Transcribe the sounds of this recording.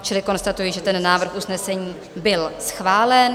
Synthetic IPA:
t͡ʃɪlɪko̞nst̪at̪ujiʒɛt̪ɛnːaːvr̩xʔusnɛsɛɲiː | bɪlsxvaːlɛn

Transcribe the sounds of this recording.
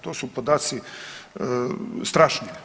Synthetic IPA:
t̪oːsupod̪aːt̪si | st̪ɾaʃnie

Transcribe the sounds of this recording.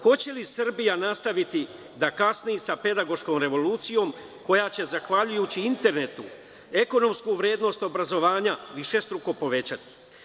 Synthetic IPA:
xo̞t͡ɕe̞lisr̩bijanast̪aʋit̪i | d̪akasnijisape̞d̪aɡo̞ʃko̞ːmɾe̞ʋo̞luːt̪sijo̞m | ko̞jaːt͡ɕe̞zaxʋaʎujuːt͡ɕiint̪e̞ɾne̞t̪u | e̞ko̞no̞mskuːʋɾje̞ːd̪no̞st̪o̞bɾazo̞ʋaːɲaʋiʃe̞st̪ɾuko̞po̞ʋe̞t͡ɕat̪i̥

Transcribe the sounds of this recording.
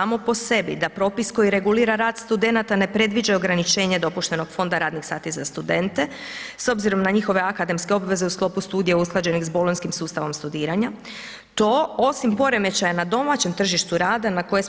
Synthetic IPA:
aːmo̞po̞se̞bḭd̪apɾo̞ːpisko̞jiɾe̞ɡuliːɾaɾaːd̪st̪ud̪e̞nat̪ane̞pɾe̞d̪ʋid͡ʒaoɡɾanit͡ʃe̞ːɲe̞d̪o̞puʃt̪e̞no̞ɡ̥fo̞nd̪aɾaːd̪nixsaːt̪izast̪ud̪e̞nt̪e̞ | so̞bziɾo̞mnaɲixo̞ʋe̞akad̪e̞mske̞o̞bʋe̞ze̞usklo̞pust̪uːd̪ijeusklˠad͡ʑe̞nizbo̞lonskimsuːst̪aʋo̞mst̪ud̪iːɾaɲa | t̪o̞ːo̞simpo̞ɾe̞me̞t͡ɕajanad̪o̞mat͡ɕe̞mt̪r̩ʒiʃt̪uɾaːd̪anako̞je

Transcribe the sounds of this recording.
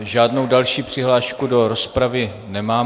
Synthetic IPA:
ʒaːdno̞wdalʃiːpr̝̥ɪɦlaːʃkudo̞ɾospɾavɪ | nɛmaː

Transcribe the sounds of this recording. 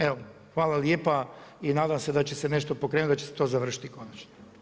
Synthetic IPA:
eʋo | xʋaːlaljepainaːd̪amse̞d̪at͡ɕe̞seneʃt̪opo̞kɾeːnut̪at͡ɕeset̪o̞ːzaʋr̩ʃi̥t̪ikonat͡ʃno̥

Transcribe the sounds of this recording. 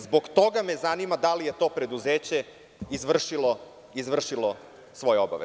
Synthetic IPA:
zbo̞ɡt̪o̞ɡamezanimad̪alije̞t̪o̞ːpɾe̞d̪uzeːt͡ɕe | izʋr̩ʃilo | izʋr̩ʃilˠo | sʋo̞jeoba̰ʋḛ

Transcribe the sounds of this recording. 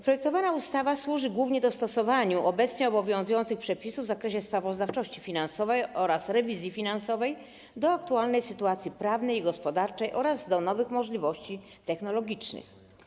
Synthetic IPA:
pɾɔjɛk̚t̪ɔvanaust̪avaswuʐɘɡwuvɲɛd̪ɔst̪ɔsɔvaɲuʔɔbɛt̪sɲɛɔbɔvʲjɔ̃w̃zujɔnt̪sɘxpʂɛpʲisuvzakɾɛɕɛspɾavɔzd̪aft͡ʂɔɕt͡ɕifʲinansɔvɛjɔɾasɾɛvʲizʲjifʲinansɔvɛj | d̪ɔak̚t̪ualnɛjsɘt̪uat̪sʲjipɾavnɛjiɡɔspɔd̪aɾt͡ʂɛjʔɔɾazd̪ɔnɔvɘxmɔʐlʲivɔɕt͡ɕi | t̪ɛxnɔlɔɡʲit͡ʂnɘ̰x

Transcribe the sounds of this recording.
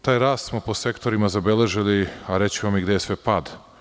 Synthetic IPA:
t̪aːjɾaːst̪smo̞po̞se̞kt̪o̞ɾimazabe̞le̞ʒiliaɾe̞t͡ɕivamiɡd̪ejsʋe̞pad̪

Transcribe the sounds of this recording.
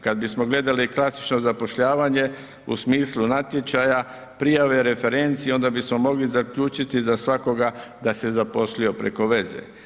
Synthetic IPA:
kad̪̚bismo̞ɡle̞d̪aliklasi̥t͡ʃno̞zapo̞ʃʎaːʋaɲe̞ | ṵsmiːslunat̪jet͡ʃaja | pɾijaʋe̞ɾe̞fe̞ɾe̞nt̪sieo̞nd̪abismo̞mo̞ɡlizakʎuːt͡ʃit̪izasʋako̞ɡad̪ase̞zapo̞slio̞pɾe̞ko̞ʋe̞ze̞̰

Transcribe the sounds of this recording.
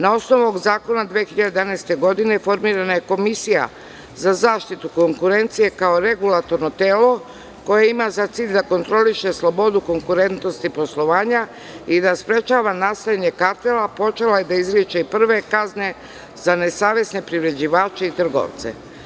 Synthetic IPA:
nao̞sno̞ʋoɡzaːko̞nad̪ʋexiʎad̪d̪anaːst̪e̞ɡo̞d̪ine̞fo̞ɾmiːɾanaje̞ko̞misija̰ | zazaːʃt̪it̪uko̞ŋkuɾe̞nt̪sije̞kaoɾe̞ɡulat̪o̞ɾno̞t̪eːlo̞ | ko̞jeimazat̪siːʎʲd̪ako̞nt̪ɾo̞liʃe̞slˠo̞bo̞d̪uko̞ŋkuɾe̞nt̪no̞st̪ipo̞slˠo̞ʋaːɲa | id̪aspɾe̞t͡ʃaːʋanast̪ajaɲe̞kaɾt̪elapo̞t͡ʃe̞laje̞d̪aizɾit͡ʃeipr̩ʋe̞kazne̞ | zane̞saːʋje̞sne̞pɾiʋɾe̞d͡ʑiʋaːt͡ʃeit̪r̩ɡo̰ʋt̪sḛ

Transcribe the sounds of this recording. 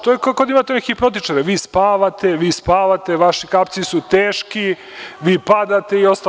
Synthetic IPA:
t̪oːjekakod̪aimaːt̪enekipɾot̪̬it͡ʃaɾeʋiːspaːʋat̪e̞ʋiːspaːʋat̪e̞ʋaʃikapt̪sisut̪eːʃki | ʋiːpad̪at̪e̞io̞st̪a

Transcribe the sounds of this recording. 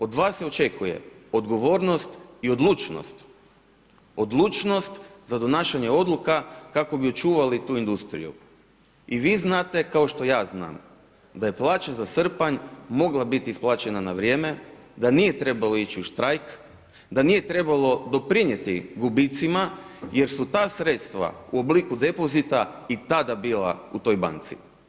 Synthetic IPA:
o̞d̪ʋaːsːeo̞t͡ʃe̞kʰuje̞̰o̞d̪ɡo̞ʋo̞ːɾno̞st̪io̞d̪lˠuːt͡ʃno̰st̪ | od̪lˠuːt͡ʃno̞st̪zad̪o̞naːʃaɲe̞o̞d̪lukakako̞bio̞t͡ʃuːʋalit̪uːind̪ust̪ɾḭjṵ | iʋiːznaːt̪e̞kao̞ʃt̪o̞jaːzna̰ːm | d̪aje̞plˠaːt͡ɕazasr̩paɲmo̞ɡlˠabit̪iisplˠaːt͡ɕe̞nanaʋɾje̞ːme̞d̪anije̞t̪ɾe̞balo̞it͡ɕiuʃt̪ɾajk | d̪anije̞t̪ɾe̞balˠo̞d̪o̞pɾiɲje̞t̪iɡubit̪simaje̞ɾsut̪aːsɾe̞t̪st̪ʋa̰uo̞bliːkud̪e̞po̞zit̪ait̪ad̪abiːla̰ut̪o̞jba̰nt̪sḭ

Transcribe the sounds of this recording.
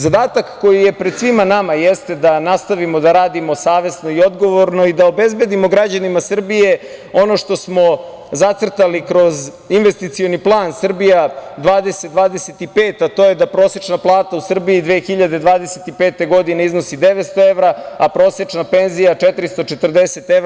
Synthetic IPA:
zad̪aːt̪akːo̞jijepɾed̪sʋimanamajest̪e̞d̪anast̪aʋimo̞d̪aɾaːd̪imo̞saːʋe̞sno̞io̞d̪ɡo̞ʋo̞ɾno̞id̪ao̞be̞zbe̞d̪imo̞ɡɾad͡ʑanimasr̩bije̞o̞no̞ʂt̪o̞smo̞ | zat̪sr̩t̪alikɾo̞z | inʋe̞st̪it̪sio̞niplˠaːnsr̩bijad̪ʋaːd̪eset̪d̪ʋaːd̪eset̪ipeːt̪at̪o̞jed̪apɾo̞set͡ʂnaplˠaːt̪ausr̩biid̪ʋeːxiʎad̪e̞d̪ʋaːd̪eset̪ipeːt̪e̞ɡo̞d̪ineizno̞sid̪eʋet̪st̪o̞eʋɾaapɾo̞ːset͡ʃnape̞nzijat͡ʃɛt̪ɾist̪o̞t͡ʃet̪r̩d̪ese̞t̪e

